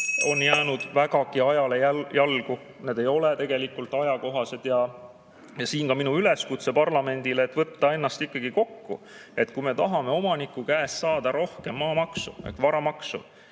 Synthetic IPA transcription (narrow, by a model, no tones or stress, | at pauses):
o̞njæːnud̪̥væɡɑkiɑjɑle̞æjɑlɡ̥u | ne̞d̪e̞jo̞let̪e̞ɡ̥e̞likːult̪ːˑɑjɑko̞ɦɑse̞d̪̥jɑ | jɑsiːnkɑminuyle̞skut̪se̞pɑrlɑme̞nʲd̪ileːt̪ːˑvɤt̪ːɑe̞nːɑst̪ikːɑɡ̥iko̞kːṵ | e̞t̪kume̞t̪ɑɦɑme̞o̞mɑnikːˑukæːssɑːd̪̥ɑɾo̞hke̞mːɑːmɑksṵḛkvɑɾɑmɑksṵ